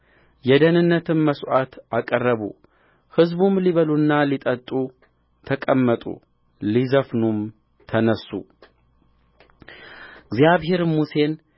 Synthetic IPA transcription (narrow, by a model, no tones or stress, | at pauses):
jɛd̪ənɨnːət̪ʰɨnməsʔat̪akʼərːəβṵ | hɨzbumliβəlunːalit̪ʼət̪ʼu | t̪ʰəkʼəmːət̪ʼṵ | lizəfnum | t̪ʰənəsːṵ | ɨɡzjaβhe̞ɾmuse̞n